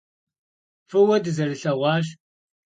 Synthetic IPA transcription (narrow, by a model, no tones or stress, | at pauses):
fɨwɐdɨzɐrɨɬɐʁʷɑːʒ